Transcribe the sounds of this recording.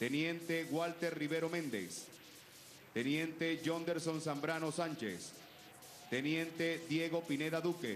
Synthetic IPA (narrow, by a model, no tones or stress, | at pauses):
t̪enjent̪eɣwalt̪eɾriβeɾomẽnd̪ḛs | t̪enjent̪eʝond̪eɾso̞nsambɾanosant͡ʃḛs | t̪enjent̪ed̪jeɣo̞pineðaðukḛ